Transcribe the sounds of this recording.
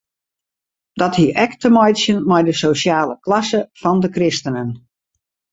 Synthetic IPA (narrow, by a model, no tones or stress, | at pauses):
dɔthiəʔɛktəmɔjtsjənmɛjdəsosjaːləklɑsəfɔndəkrɪstənən